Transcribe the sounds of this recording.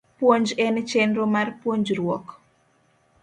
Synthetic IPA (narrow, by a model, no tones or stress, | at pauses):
pwoɲd͡ʒɛnɛt͡ʃɛndɾomarpwoɲd͡ʒrwɔk